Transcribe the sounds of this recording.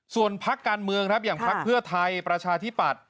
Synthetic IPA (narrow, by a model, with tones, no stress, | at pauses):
su˨˩ənpʰa˦˥kːaː˧nmɯ˧əŋkʰɾa˦˥p̚jaː˨˩ŋpʰa˦˥k̚pʰɯ˥˩ɐt̪ʰa˧jpɾa˧t͡ɕʰaː˧t̪ʰi˦˥pa˨˩t̪̚